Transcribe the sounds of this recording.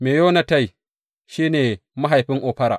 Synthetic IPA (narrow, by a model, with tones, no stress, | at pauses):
meː˨joː˦na˨ta˦˨j | ʃiː˦neː˨ma˦ɦa˨jɸɪ˦ŋʔoː˨ɸɐ˦ɾaː˨